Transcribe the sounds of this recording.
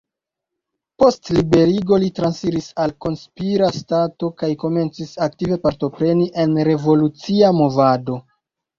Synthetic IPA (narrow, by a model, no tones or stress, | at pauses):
po̞stlibe̞ɾiɡo̞litɾansiɾisalko̞nspiɾastato̞kajko̞me̞nt͡sisak̚tive̞paɾto̞pɾe̞niʔe̞nɾe̞vo̞lut͡siamo̞vado̞